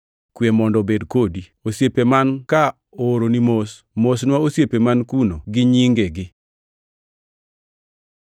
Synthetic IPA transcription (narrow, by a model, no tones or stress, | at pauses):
kwemɔndɔbedkodi | osjepemanka | oɾonimos | mosnwaosjepemankunoɡɪɲiŋɡeɡɪ